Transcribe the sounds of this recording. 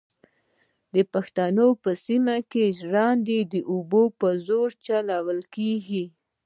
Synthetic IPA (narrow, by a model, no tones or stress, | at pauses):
d̪əpaxt̪anopəsimakeʒɽɑnd̪ed̪əʔubopəzoɾt͡ʃalɑwəlkeɡi